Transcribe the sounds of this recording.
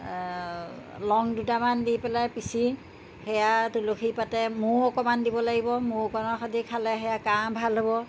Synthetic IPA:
lɔŋdutamandipɛlajpisi | hɛjatuloxʰipatɛmʊɔkɔmandibɔlaɡibɔmʊkɔnɔxadikʰalɛxɛjakambʱalɦobɔ

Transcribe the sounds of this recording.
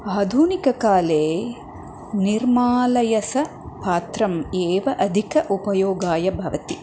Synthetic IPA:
aːd̪ʱunikɐkaːleː | niɾmaːlɐjɐsɐ | paːt̪ɾɐmeːʋɐʔɐd̪ʱikɐʔupɐjoːɡaːjɐbʱɐʋɐt̪i

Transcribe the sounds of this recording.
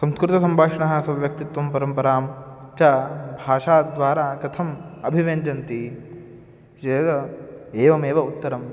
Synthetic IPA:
sɐmskɾɪt̪ɐsɐmbʱaːkʂɐɳɐɦɐ̆sɐʋʋjɐk̚t̪it̪ʋɐmpɐɾɐmpɐɾaːmt͡ʃɐbʱaːʂaːd̪ʋaːɾaːkɐt̪ʰɐmɐbʱiʋend͡ʒɐnt̪i | d͡ʒeːɡɐeːʋɐmeːʋɐut̪ːɐɾɐm

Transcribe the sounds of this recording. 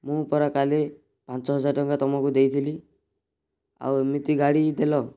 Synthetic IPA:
mũpɔɾakale | pant͡ʃɔɦɔd͡ʒaɾʈɔŋkat̪ɔmɔkud̪ejt̪ʰili | a̰wmit̪iɡaɽid̪elɔ

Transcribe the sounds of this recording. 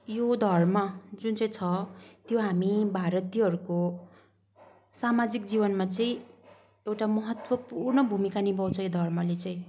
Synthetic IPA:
jod̪ʱʌrmʌd͡zunt͡sʌĩt͡sʰʌt̪joɦamibʱaɾʌt̪ijɦʌɾuko | samad͡zikd͡zibʌnmat͡sʌĩ | ewʈamʌɦʌt̪wʌpurnʌbʱumikanibʌwt͡sʰʌjod̪ʱʌrmʌlet͡sʌĩ

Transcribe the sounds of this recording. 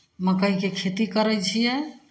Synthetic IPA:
məkəɦĩkekʰet̪ikəɾɛt͡ʃʰijɛ

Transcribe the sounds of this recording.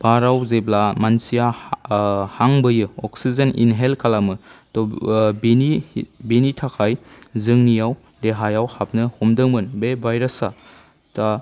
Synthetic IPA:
b̥aɾawzeblamansija | haŋbɯjɯɔk̚sizenḭnɦelkʰalamɯtɔbnibenitʰakʰajzɯŋnijaw | leɦajawhap̚nɯhumdɯŋmɯnbebʱajɾɐsa | ta

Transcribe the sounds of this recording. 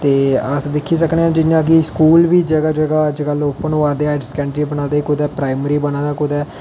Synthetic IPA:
t̪eːəsd̪ɪkʰːiːsəkneãːd͡ʒɪjãːk̬ɪskuːlʋiːd͡ʒəɡaːd͡ʒəɡaːəd͡ʒkəlʊpːəɳʋaːd̪eːaːɖskɛ̃ːɳɖɾiːbənãːd̪eːkʊd̪ɛːpɾaːɪməɾiːbənãːd̪aːkʊd̪ɛː

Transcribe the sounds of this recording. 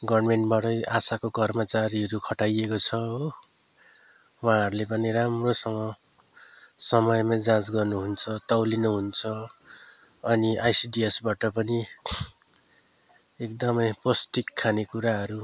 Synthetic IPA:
ɡʌrmeɳʈbaʈʌjʔasakokʌrmʌt͡saɾiʌɾukʰʌʈajekot͡sʰʌ | wãɦʌɾulepʌniɾamrosʌŋʌ | sʌmʌjmad͡zãd͡zɡʌrnuɦunt͡sʰʌt̪ʌwlinʌɦunt͡sʰʌ | ʌniʔajsiɖiesbaʈʌpʌni | ek̚d̪ʌmʌjposʈikʰːanekuɾaɦʌɾu

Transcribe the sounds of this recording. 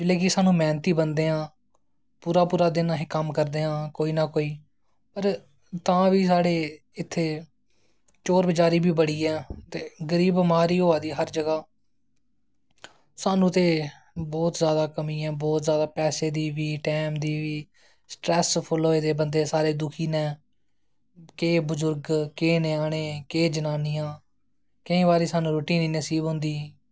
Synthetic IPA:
d͡ʒɪlːɛːkɪsaːnũːmɛːnt̪iːbənd̪eːɦãː | puːɾaːpuːɾaːd̪ɪnãːɦekəmkəɾd̪eːɦãːkoːiːnaːkoːiː | pəɾ | t̪ãːʋiːs̬aːɽeː | ɪt̪ʰːeː | t͡ʃoːɾbəd͡ʒaːɾiːbʱiːbəɽiːɛːt̪eːɡəɾiːbəmaːɾiːɦoːaːd̪iːɦəɾd͡ʒəɡaː | saːnũːt̪eː | bɔːt̪zjaːd̪aːkəmĩːɛ̃ːbɔːt̪zjaːd̪aːpɛːseːd̪iːʋiːʈɛːmd̪iːʋiː | sʈɾɛːspʰʊlɦoːeːd̪eːbənd̪eːsaːɾeːd̪ʊkʰiːnɛ̃ː | keːbʊzʊɾɡkeːneːaːɽ̃eːkeːd͡ʒənaːnijãː | kəĩːbaːɾiːsaːnũːɾuːʈiːniːnəsiːbɦʊ̃nd̪iː

